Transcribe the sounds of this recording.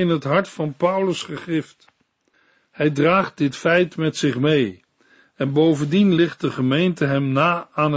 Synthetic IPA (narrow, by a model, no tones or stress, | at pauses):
ɪnɦətɦɑɹtfɑnpʌwləsχəχɪft | hɛjdraːχt̚dɪtfɛjtmɛtsɪχmej | ɛnbowvəndinlɪχt̚dəχəmejntəɦɛmnaːaːn